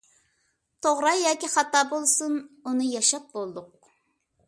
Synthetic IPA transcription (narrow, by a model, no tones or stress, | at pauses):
t̪ʰoʁɾɑjɑːkʲiχɑt̪ɑːbolˠsununɨjɑʃɑp̚bolˠd̪ʊq